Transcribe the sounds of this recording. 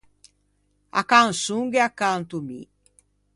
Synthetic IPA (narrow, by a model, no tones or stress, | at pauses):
a̰kansuŋɡeakːant̪umḭ